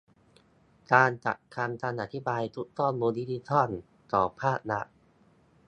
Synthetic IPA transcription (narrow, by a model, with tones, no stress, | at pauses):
kaː˧nt͡ɕa̰˨˩ʔkʰa˧nt̪ʰaː˧nʔa˨˩t̪ʰi˦˥baː˧jt̪ʰu˦˥k̚t̪ɔː˥˩nmuː˧ndi˦˥˩t̪ʰi˧˥t̪ʰɔ˥˩n | t̪ɔː˨˩pʰaː˥˩t̪̚na̰˦˥ʔ